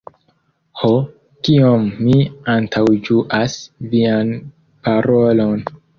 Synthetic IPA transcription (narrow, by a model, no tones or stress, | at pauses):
ho | kiomːiantʰawd͡ʒuʔasvian | paɾolo̞n